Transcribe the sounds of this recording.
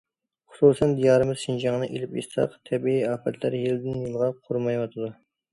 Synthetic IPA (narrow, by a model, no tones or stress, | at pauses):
χʊ̥susɛnd̪ijɑːɾɨmɨzʃind͡ʒɑŋnɨʔḛlɪpjḛst̪ɑ̰qt̪ʰɛbiiɑːpɛt̪ʰlæɾjild̪ɪnjilˠʁɑqʰoɾmɑjwɑt̪ʰɨd̪u